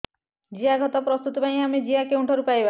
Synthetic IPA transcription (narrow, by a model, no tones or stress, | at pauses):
d͡ʒiaɡʱɔt̪ɔpɾɔst̪ut̪ɔbaj̃amed͡ʒiakeũɳʈʰɔɾupajba